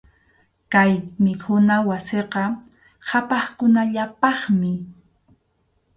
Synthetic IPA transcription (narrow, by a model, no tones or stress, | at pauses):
kajmɪkʰʊnawaseqɑ | hapɑχkʊnaʎapɑχmɪ